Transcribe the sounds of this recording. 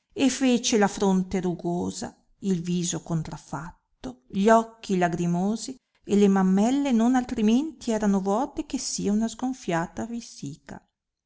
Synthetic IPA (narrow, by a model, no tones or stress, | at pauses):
efeːt͡ʃelafɾont̪eɾuɡoːza̰ | ilviːzokont̪ɾafːat̪ːoʎɔkːilaɡɾimoːzi | elemamːɛlːenonalt̪ɾiment̪iɛːɾanovɔːt̪ekesːiːaunazɡoɱfjaːt̪avisiːka̰